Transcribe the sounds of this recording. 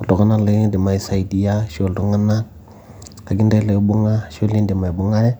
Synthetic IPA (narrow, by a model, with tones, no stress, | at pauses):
u˨ldɔ˨ka˦na˦le˦di˨ma˨i˨sa˨i˨di˨ja˦ʃo˨ldo˨˦ŋa˦na˦ | ka˨ɡi˦nda˦le˨˦bu˦ŋa˦ʃo˦li˦ndi˨ma˨i˨bʊ˦ŋa˦ɾɛ˦